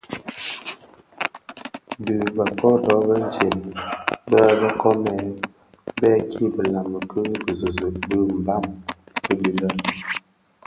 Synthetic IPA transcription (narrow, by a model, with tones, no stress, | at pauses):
də˨bə˨kɔ˦dɔ˨˦bə˦n˦d͡ʒɛ˨n˨bə˦bə˦kɔ˦mɛ˨ | bɛ˦kʰi˦bə˨la˨mə˨kə˦bə˨zə˨zə˨bə˦m̩˨ba˦˨mkə˦di˨lə˦